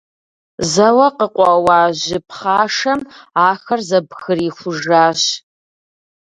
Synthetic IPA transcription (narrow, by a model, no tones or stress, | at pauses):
zɐwɐqəqʷʼɔwaːʑɪpχaːʂɐmaːxɐrzɐbxɨriːxʷʊʒaːɕ